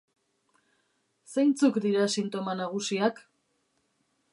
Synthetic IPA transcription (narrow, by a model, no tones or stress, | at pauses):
sejnt͡sukd̪iɾasint̪o̞manaɣ̞usiak